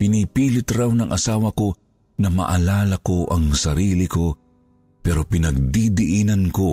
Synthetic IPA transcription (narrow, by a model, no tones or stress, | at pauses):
pɪnipiːlɪt̪ɾawnɐŋʔɐsaːwɐko̞ | nɐmɐ̰ʔɐlaːlɐkoʔɐŋsɐɾiːlɪko̞ | pɛːɾopɪnɐɡ̚d̪id̪ɪʔiːnɐnko